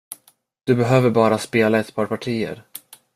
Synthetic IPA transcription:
d̪̥ɵbɛɦøːvəɾbɑːɾaspeːlaɛt̪pʰɑːɾpʰaʈʰiːə̰ɾ

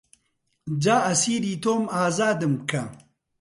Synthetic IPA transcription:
d͡ʑaːɐsiːɾiːt̪oːmaːzaːd̪ɨmkʰɐ

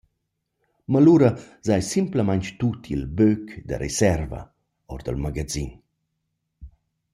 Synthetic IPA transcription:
maluɾə | zajsimpləmaɲt͡ʃt̪ut̪ʰilbøkd̪ə̰ɾesɛɾva̰ | ɔɾd̪ə̰lmaɡad͡zin

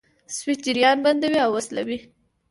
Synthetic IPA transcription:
swit̪̚d͡ʒɪɾjɑnband̪awiawəsla̰wi

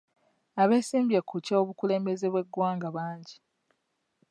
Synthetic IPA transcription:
aβe̞ːsiːmbjekːucaoβukule̞ːmbe̞ze̞βwe̞ɡːwaːŋɡaβaːɲɟi

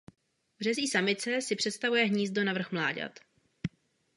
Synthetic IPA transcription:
vr̝ɛziːsamɪt͡sɛsɪpr̝̥ɛt̪st̪avujɛɦɲiːzd̪o̞navr̩xmlaːɟa̰t̪

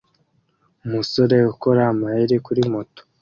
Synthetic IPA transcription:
umuso̞ɾe̞uko̞ɾaːmahiɾikuɾimoto̥

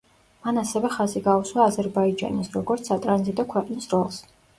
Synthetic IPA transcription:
manasɛvɛχaziɡauswaːzɛɾbaid͡ʒa̰nisɾɔɡɔɾt̪sʰsat̪ʼɾanzit̪ʼɔkʰwɛqʼnisɾɔlˠs

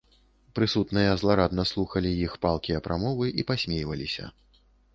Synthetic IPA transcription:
pɾɨsut̪nɨjɐzlˠaɾad̪nɐslˠuxɐlʲijixpalˠkʲiɐpɾʔamɔvɨʔipasʲmʲejvɐlʲisʲɐ̰

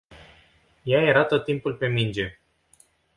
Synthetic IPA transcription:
jajeɾat̪ot̪ːimpulʲpemind͡ʒe

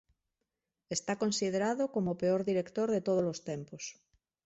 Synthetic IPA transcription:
est̪akonsið̞eɾaðokomopeoɾðiɾekt̪oɾðet̪oð̞olost̪empos

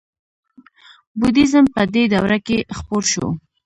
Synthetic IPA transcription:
bud̪izəmpəd̪ed̪awɾakexpoɾʃo̰

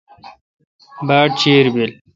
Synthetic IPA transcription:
baːʈ̚t͡ɕiːɾbil

